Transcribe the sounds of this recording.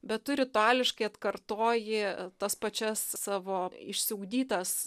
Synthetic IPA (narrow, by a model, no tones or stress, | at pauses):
bʲɛt̪̚t̪ʊɾʲɪt̪ʊæːlʲɪʃkɐɪɐt̪kɐrt̪oːjɪt̪ɐspɐt͡ʃʲɛssɑːʋoːɪʃʲsʲɪʊɡd̪ʲiːt̪ɐs